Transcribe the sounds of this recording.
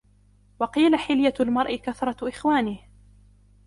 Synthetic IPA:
wɑqiːlaħɪljalmɑɾˤʔɪkaθɾˤɑʔɪxwaːnɪh

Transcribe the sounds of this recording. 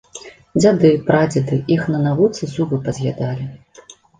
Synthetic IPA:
d͡zʲad̪ɨpɾad͡zʲad̪ɨixnɐnavut̪sɨsuvɨpɐzʲɣʲad̪alʲi

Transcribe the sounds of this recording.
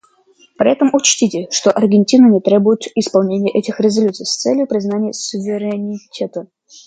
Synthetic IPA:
pɾʲɪ̰ɛt̪əmʊt͡ɕtʲitʲɪʂt̪oʔɐrɡʲɪnʲtʲinənʲɪt̪ɾʲebʊjɪt̪ɪspɐlˠnʲenʲɪjəʔɛtʲɪxɾʲɪzɐlʲut̪sɨjst̪sɛlʲjʊpɾʲɪznanʲɪjəsʊvʲɪɾʲɪnʲɪtʲe̞t̪ə

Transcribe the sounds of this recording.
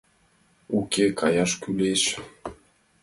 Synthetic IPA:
ukekʰajaʃkyleʃ

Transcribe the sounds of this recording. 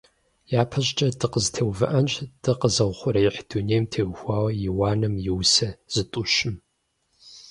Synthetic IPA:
jaːpʰɐɕʼt͡ʃʼɐdɨqəztʰeːwvɨ̰ʔɐnt͡ʃʼd̥ɨqəzɐwχʷʊɾɐjħd̥uneːjmtʰeːwxʷaːwɐjɪwaːnɨmjɪwsɐz̥ɨtʼʊɕɪm

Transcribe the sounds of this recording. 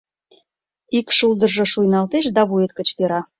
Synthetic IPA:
ikʃulˠd̪ə̆rʒŏʃujnɑlt̪eʃ̬d̪ɑβuet̪̚kə̆t͡ɕpeɾɑ

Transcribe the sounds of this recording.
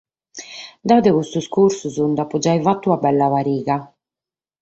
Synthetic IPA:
d̪aːd̪ɛɣust̪uskuɾsuzund̪apud͡ʒajvat̪ːuabɛlːavaɾiːɣa

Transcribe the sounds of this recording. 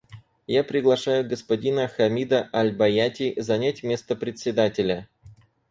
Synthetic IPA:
japɾʲɪɡlˠɐʂajʊɡəspɐdʲinəxɐmʲid̪əʔɐlʲbɐjatʲɪzɐnʲætʲmʲe̞st̪əpɾʲɪt̪ʲsʲɪd̪atʲɪlʲə

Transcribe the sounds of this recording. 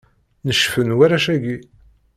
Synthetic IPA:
nəʃfənwæɾæʃæɡi

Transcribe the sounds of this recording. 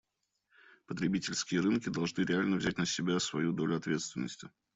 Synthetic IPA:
pət̪ɾʲɪbʲitʲɪlʲskʲɪjəɾɨnkʲɪd̪ɐlˠʐnɨɾʲɪalʲnəvzʲæt̚ʲnəsʲɪbʲasvɐjud̪o̞lʲʊɐt̪vʲe̞t̪st̪vʲɪnːəsʲtʲɪ

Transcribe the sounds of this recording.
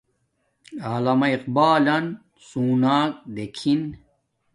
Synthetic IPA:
aːlɐmɐiqbaːlɐn | suːnaːk̚d̪ekʰin

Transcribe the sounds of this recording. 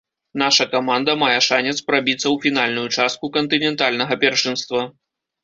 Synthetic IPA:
n̪aʂɐkamand̪ɐmajɛʂanʲɛt̪spɾabʲit̪sːɐwfʲin̪alʲnujut͡ʂast̪̚kukɐnt̪ɨnʲɛnt̪alʲnɐɣɐpʲɛrʂɨnst̪vɐ

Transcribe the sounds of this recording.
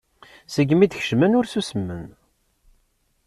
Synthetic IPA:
səɡːmid̪ç̥ʃmænʊɾsusəmːən

